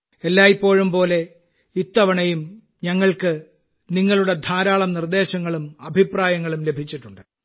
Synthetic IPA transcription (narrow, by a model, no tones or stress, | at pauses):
elːaːjipːo̞ːɻumpo̞ːle̞ | it̪ːɐʋɐɳɐjum | ɲɐŋːɐɭkɨ | niŋːɐɭuɽe̞d̪ʱaːɾaːɭɐmnird̪e̞ːɕɐŋːɐɭumɐbʱipraːjɐŋːɐɭumle̞bʱit͡ɕːiʈːuɳɖɨ